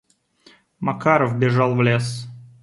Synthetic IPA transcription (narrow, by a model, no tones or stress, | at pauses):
mɐkaɾəfbʲɪʐɑlˠvlʲes